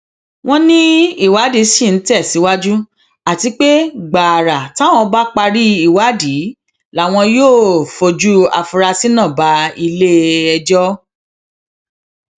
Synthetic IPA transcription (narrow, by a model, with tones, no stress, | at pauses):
w̃ɔ̃˦nĩ˦i˦˨wa˨˦di˨˦ʃĩ˦˨n̩˨˦tɛ˦˨si˨˦wa˦d͡ʒu˦ | a˦˨ti˧k͡pe˦ɡ͡ba˨ɾa˨ta˨˦w̃ɔ̃˧ba˦k͡pa˧ɾi˦i˦˨wa˨˦di˨˦ | la˨˦˨w̃ɔ̃˧joː˦˨fo˧d͡ʒu˦a̰˧fu˧ɾa˧si˦nã˦˨ba˨˦i˧le˦ɛ˧d͡ʒɔ˦